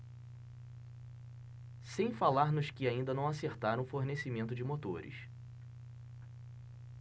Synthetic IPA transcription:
sẽj̃falaɾnʊskɪaĩnd̪ɐnɐ̃w̃aseɾt̪aɾɐ̃ʊfoɾnesimẽnt̪ʊd͡ʒɪmot̪oɾɪ̰s

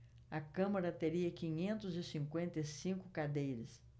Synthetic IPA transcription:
ɐkɐ̃mɐɾɐt̪eɾiɐkĩɲẽnt̪ʊzɪsĩŋkwẽnt̪ɐjsĩŋkʊkad̪ejɾɐs

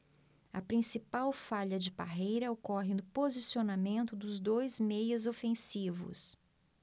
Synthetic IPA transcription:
ɐpɾĩsipawfaʎɐd͡ʒɪpa̰ɦejɾɐokɔɦɪnʊpozisionamẽnt̪ʊd̪ʊzd̪ojzmejɐzofẽsivʊ̰s

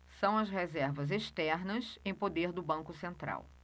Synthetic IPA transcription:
sɐ̃w̃ɐsɦezɛɾvɐzeʃt̪ɛɾnɐsẽj̃pod̪eɾd̪ʊbɐ̃ŋkʊsẽnt̪ɾa̰w

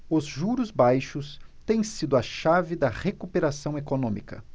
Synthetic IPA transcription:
ʊzʒuɾʊzbajʃʊst̪ẽj̃sid̪ʊɐʃavɪd̪ɐʁekupeɾasɐ̃w̃ekonõmikɐ̰

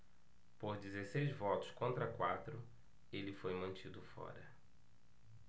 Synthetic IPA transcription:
poɾd͡ʒizesejzvɔt̪ʊ̥skõnt̪ɾɐkwat̪ɾʊ | elɪfojmɐ̃t͡ʃid̪ʊfɔ̰ɾɐ

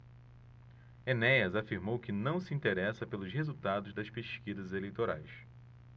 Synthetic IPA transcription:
enɛjɐzafiɾmowkɪnɐ̃w̃sɪĩnt̪eɾɛsɐpelʊshezuwt̪ad̪ʊzd̪ɐspeʃkizɐzelejt̪oɾa̰js

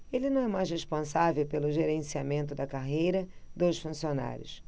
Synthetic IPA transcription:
elɪnɐ̃w̃ɛmajzshespõsavewpelʊʒeɾẽsiamẽnt̪ʊd̪ɐkaɦejɾɐd̪osfũsiona̰ɾʲjʊ̰s

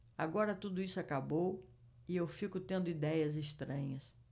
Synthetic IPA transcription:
aɡɔɾɐt̪ud̪ʊisʊakabow | ɪewfikʊt̪ẽnd̪ʊid̪ɛjɐzeʃt̪ɾɐ̃ɲɐs

